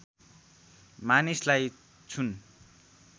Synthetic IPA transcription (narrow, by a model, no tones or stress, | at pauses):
manislaj | t͡sʰun